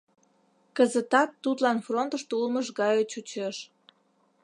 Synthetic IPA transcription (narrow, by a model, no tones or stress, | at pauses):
kəzət̪ɑt̪ːut̪lɑnfront̪əʃt̪oulməʃɣɑjot͡ɕut͡ɕeʃ